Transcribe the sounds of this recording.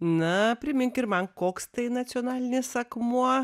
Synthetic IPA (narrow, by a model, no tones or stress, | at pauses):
nɐpʲɾʲɪmʲɪŋkɪɾmɐnkoːkst̪ɐɪnɐt̪sʲioːnɑːlʲɪnʲɪsɐkmuɔ